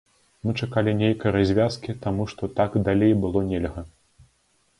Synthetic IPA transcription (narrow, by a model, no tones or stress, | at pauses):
mɨt͡ʂakalʲinʲejkɐjɐɾazʲvʲaskʲit̪amuʂt̪ɔt̪aɡd̪alʲejbɨlˠɔnʲɛlʲɣɐ